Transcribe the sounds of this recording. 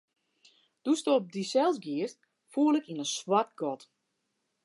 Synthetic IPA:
d̥ustoɔp̚disɛlˠsɡiəst | fuəlɪkinənswart̚ɡɔt

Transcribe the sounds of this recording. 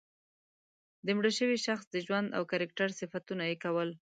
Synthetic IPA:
d̪əmɽəʃəwiʃaxsd̪əʒwand̪a̰wkaɾak̚ʈaɾsɪfat̪unajekawəl

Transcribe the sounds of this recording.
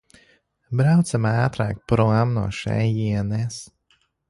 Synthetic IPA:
bɾawt̪samæːt̪ɾa̰ːk̚pɾlˠamnṵɔʃɛ̰jiɛnɛːs

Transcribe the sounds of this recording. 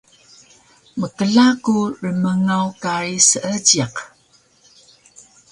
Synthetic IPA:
məkəɮakurəməŋawkaɾisəʔəd͡ʒiq

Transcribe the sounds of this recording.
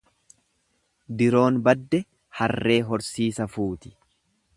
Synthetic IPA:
d̪ɪɾo̞ːnbɐd̪ːɛ | hɐrːe̞ːɦɔɾsiːsɐfuːt̪ɪ̥

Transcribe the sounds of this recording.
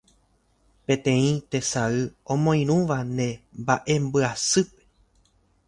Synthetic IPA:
pẽ̞t̪ẽ̞ĩt̪e̞saɨõmõ̞ĩɾ̃ũʋanẽ̞mbaʔe̞mbɨasɨpe̞̥

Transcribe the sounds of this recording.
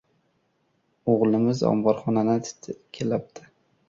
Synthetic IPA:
oʁlˠɪmɪzɒ̰mbɒɾχɒnanɪt̪ʰt̪ʰkʲʰelap̚t̪ʰɪ̥

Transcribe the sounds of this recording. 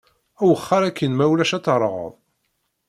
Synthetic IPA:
æwəχːɑɾækːənmæwlæʃæt͡sːɾˤəʁə̰ðˤ

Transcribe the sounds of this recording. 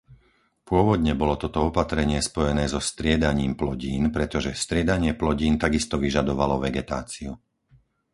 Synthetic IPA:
pʊɔʋɔd̪ɲɛbɔlɔt̪ɔt̪ɔɔpat̪ɾɛɲɪɛspɔjɛnɛːzɔst̪ɾɪɛd̪aɲiːmplɔɟiːnpɾɛt̪ɔʒɛst̪ɾɪɛd̪aɲɪɛplɔɟiːnt̪aɡist̪ɔʋiʒad̪ɔʋalɔʋɛɡɛt̪a̰ːt͡siu

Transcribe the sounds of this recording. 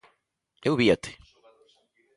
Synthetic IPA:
ewβiat̪ɪ̥

